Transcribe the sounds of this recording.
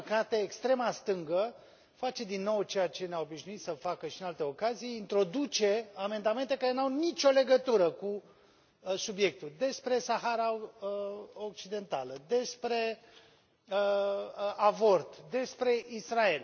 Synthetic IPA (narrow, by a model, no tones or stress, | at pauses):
kat̪e̞ːkst̪ɾe̞mast̪ɨŋɡə | fat͡ʃe̞d̪inːo̞wt͡ʃe̞jat͡ʃe̞neaobiʃnuit̪səfakəʃiɨnalt̪e̞o̞kazijint̪ɾo̞d̪ut͡ʃe̞ame̞nd̪ame̞nt̪e̞kaɾe̞nawnit͡ʃʲo̞le̞ɡət̪uɾəku | subje̞k̚t̪uld̪e̞spɾe̞saɦaɾa | ok̚t͡ʃid̪e̞nt̪aləd̪e̞spɾe̞ | ə | avo̞rt̪d̪e̞spɾe̞ʔisrae̞l